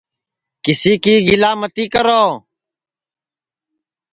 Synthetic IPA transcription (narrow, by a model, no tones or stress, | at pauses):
kɪsiːkiːɡɪlaːmət̪iːkəɾoː